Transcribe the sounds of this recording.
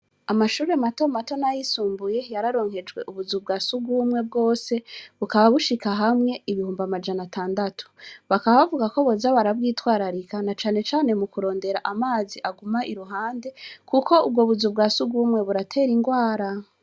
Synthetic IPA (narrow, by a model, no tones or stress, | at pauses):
amaʃuːɾemato̞mato̞najisuːmbuje̞jaɾaɾo̞ːŋhe̞d͡ʒɡwe̞̰ʔuβuzub̚ɡasuɡumŋe̞b̚ɡo̞ːse̞βukaβaβuʃikaɦamŋe̞iβihuːmbamad͡ʒanatʰaːndatʰu̥βakaβaβavuɡako̞βozaβaɾaβwiːtwaːɾaɾikanat͡ʃaːne̞t͡ʃaːne̞mukuɾo̞ːnde̞ɾaʔamaːziʔaɡumaʔiɾuɦaːnde̞kʰuko̞ub̚ɡo̞βuzubɡaːsuɡumŋe̞βuɾatʰe̞ɾiŋɡwaːɾa